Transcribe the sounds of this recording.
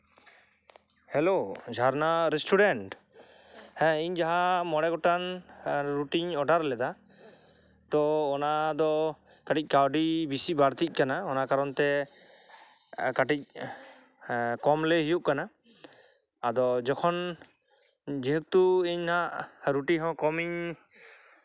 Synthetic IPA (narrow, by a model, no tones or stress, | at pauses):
hɛlod͡ʒʱaɾnaɾɛsʈuɖɛɳʈ | hɛ̃iɲd͡ʒaɦamɔɽɛɡɔʈanɾuʈiɲɔɖaɾlɛd̪a | t̪ɔːnad̪ɔ | kaʈic̚ˀkawɖibisibaɽt̪ic̚ˀkanaɔnakaɾɔnt̪ɛ | kaʈic̚ | kɔmlɛɦijuʔkana | d̪ɔd͡ʒɔkʰɔn | d͡ʒiɦək̚t̪uiɲnaʔɾuʈiɦɔ̃kɔmiɲ